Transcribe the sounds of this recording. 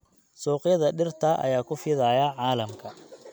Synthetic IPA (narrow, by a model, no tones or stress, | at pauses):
sɔːqjɐðɐɖɪrt̪ʰɐʔɐ̰jaːkʰʊfɪðɐjɐʕɑːlɐmkʰɐ